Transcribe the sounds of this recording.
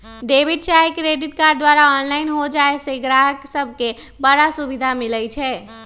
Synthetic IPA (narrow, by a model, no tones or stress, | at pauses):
ɖebiɖ̚t͡ʃaikɾeɖiʈkaɾɖ̚d̪waɾaɔnlaɪnɦod͡ʒaeseɡɾaɦəksəb̚ʱke | bəɽasubid̪ʱamilɛt͡ʃʰɛ